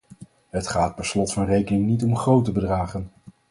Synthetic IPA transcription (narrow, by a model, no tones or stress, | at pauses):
ɦətχaːt̚bɛslɔtfɑnrejkənɪŋnitɔmχrowtəbədraːχən